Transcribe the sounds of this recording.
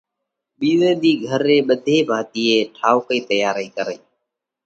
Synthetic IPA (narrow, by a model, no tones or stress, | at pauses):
ɓiːzẽːd̪iːɡʱəɾːeːɓəd̪ʱeːbʱaːt̪iːeːʈʰaːʊkəiːt̪əjaːɾiːkəɾəiː